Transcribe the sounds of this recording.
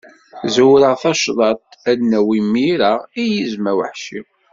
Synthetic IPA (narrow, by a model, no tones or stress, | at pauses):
zuwɾəʁθɑʃðˤɑt̪̚ædnːæwimiɾaijizmæwəħʃim